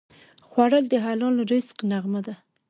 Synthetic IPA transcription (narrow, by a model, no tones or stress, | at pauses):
xwaɽəld̪əɦalɑlɾɪsqnaɣmad̪a